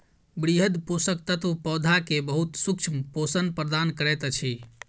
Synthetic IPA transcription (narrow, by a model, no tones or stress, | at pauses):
bɾiɦəd̪posək̚t̪ət̪upɔːd̪ʱakebəɦut̪suk̚t͡ʃʰmposənpɾəd̪ankəɾɛt̪t͡ʃʰi